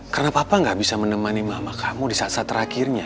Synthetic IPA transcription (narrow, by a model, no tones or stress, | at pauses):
kərənapapaŋɡaʔbisamənəmanimamakʰamudisasat̪əɾakirɲa